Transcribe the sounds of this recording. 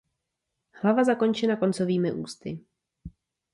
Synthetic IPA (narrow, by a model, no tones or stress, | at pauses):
hlavazako̞nt͡ʃɛnako̞nt͡so̞viːmɪʔṵːst̪ɪ